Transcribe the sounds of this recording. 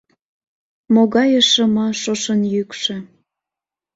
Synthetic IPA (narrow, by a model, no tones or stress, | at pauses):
moɣɑjəʃəmɑʃoʃənjykʃĕ